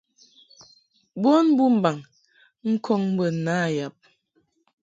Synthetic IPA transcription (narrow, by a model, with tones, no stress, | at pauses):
bo˦n˦bu˦m̩˦ba˨ŋ | ŋ̩˦kʰɔ˦ŋm̩˦bə˨na˦˨ja˨p̚